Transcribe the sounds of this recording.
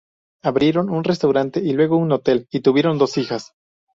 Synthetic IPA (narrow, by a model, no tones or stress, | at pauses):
aβɾje̞ɾo̞nunres̬t̪awɾant̪e̞ilwe̞ɣounot̪e̞lit̪uβje̞ɾo̞nd̪o̞sixas